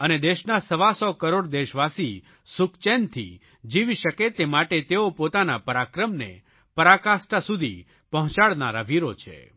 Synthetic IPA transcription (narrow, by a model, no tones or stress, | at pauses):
əned̪eʃnasəʋasɔkəɾoɽd̪eʃʋasi | sukt͡ʃent̪ʰḭ | d͡ʒiʋiʃəket̪emaʈet̪eopot̪anapəɾakɾəmnḛ | pəɾakasʈasud̪ʱi | pəɦɔ̃t͡ʃaɭnaɾa̰ʋiɾot͡ʃʰḛ